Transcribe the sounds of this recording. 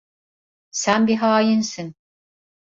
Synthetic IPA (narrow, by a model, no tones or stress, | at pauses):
sænbiɦɑːjinsɨn